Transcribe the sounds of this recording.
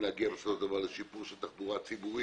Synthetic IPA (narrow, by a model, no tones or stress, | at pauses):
naɡeʁsot̪avalːeʃipuʁʃelt̪aχbuʁat͡sibuʁi